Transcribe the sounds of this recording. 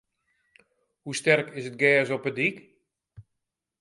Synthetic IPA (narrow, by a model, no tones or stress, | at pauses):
hustɛrkɪsət̚ɡɛːzɔpədik